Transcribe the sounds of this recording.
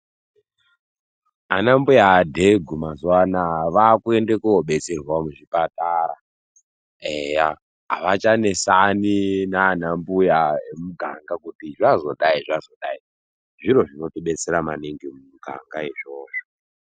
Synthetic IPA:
a̰nambujaːdʱe̞ɡʱumazuwanaʋakue̞ndekuoɓe̞t͡serwamuʐipataɾa | ea | ɦa̰ʋat͡ʃane̞saninaːnambujaemuɡʱa̰ŋɡakutiʐazo̞ɗaiʐazo̞ɗai | ʐiɾo̞ʐino̞tiɓe̞t͡se̞ɾamaneŋɡimumuɡʱa̰ŋɡaeʐoːʐo

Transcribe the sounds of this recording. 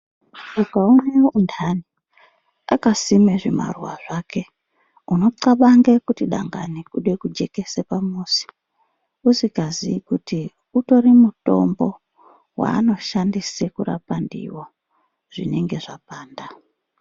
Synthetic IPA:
ukaune̞undani | akasimeʐima̰rwaʐake̞ | uno̞ǀaɓaŋɡekutiɗa̰ŋɡanikuɗekud͡ʒe̞ke̞sepamuːsi̥ | usikaziːkuti | uto̞ɾimuto̞̰mbo̞ | wa̰ːno̞ʃandisekuɾa̰pandḭwo | ʐ̥ḭne̞ŋɡe̞ʐapaːnda

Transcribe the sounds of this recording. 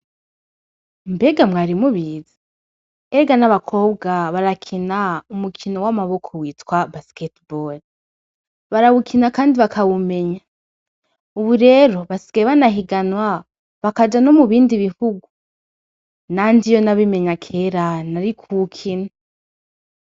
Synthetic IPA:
mbe̞ɡamŋaːɾimuβiːze | eɡanaβakʰo̞ːbɡaβaɾakʰinaumukʰinowamaβo̞kʰowiːtwabasketbol | βaɾawukʰinakaːndiβakʰawume̞ɲa | uβuɾe̞ːɾo̞βasi̥ɡaeβanaɦiɡanwa | βakad͡ʒano̞muβiːndiβihuɡu | naːndijo̞naβime̞ɲakʰe̞ːɾanaɾikʰukʰina

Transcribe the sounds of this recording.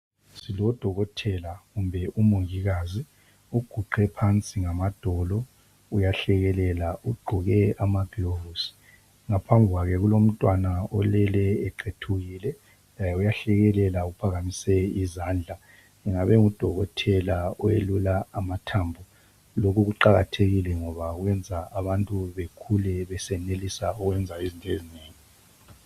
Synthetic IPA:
silɔd̥ʱɔɣɔtʰɛlaɣumbʱɛʔumoŋiɣaːzi | uɡ̥ʱuɡ͡ǃɛpʰant͡sʼiŋamad̥ʱɔlɔ | ujaɬɛɣɛlɛlauɡ͡ǃʱuɣɛamab̥ʱilovusi̥ | ŋapʰambʱɣwaɣɛɣulom̩tʼwanaɔlɛlɛːǃetʰuɣiːlɛ | lajɛujaɬɛɣɛlɛlaupʰaɣamisɛizaːnd͡ɮʱa | ɛŋaβɛŋud̥ʱɔɣɔtʰɛlaɔjelulaamatʰambʱu | lokuɣuǃaɣatʰeɣilɛŋɔβaɣwɛnd͡zʱaaβantʼuβekʰulɛβɛsɛnelisauɣwɛnd͡zʱaizintʼezineːŋi

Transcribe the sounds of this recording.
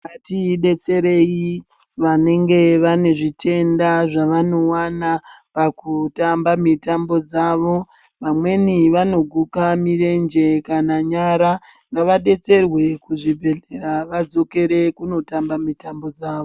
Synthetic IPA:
atiɗe̞t͡se̞ɾe̞ji | ʋane̞ŋɡe̞ʋane̞ʐitʰe̞ndaʐaʋano̞wanapakutambamitambo̞d͡zaʋo̞ | ʋamwe̞niʋano̞ɡʱukamire̞nd͡ʒe̞kanaɲaɾa | ŋɡaʋaɗe̞t͡se̞rwe̞kuʐibʱe̞ɮe̞ɾaʋad͡zo̞ke̞ɾe̞kuno̞tambamitambo̞d͡zaːʋo

